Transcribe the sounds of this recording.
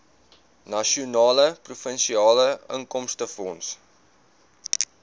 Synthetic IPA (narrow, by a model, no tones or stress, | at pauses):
nɐʃiunɑːləprufənʃiɑːləə̰ŋkɔmstəfɔns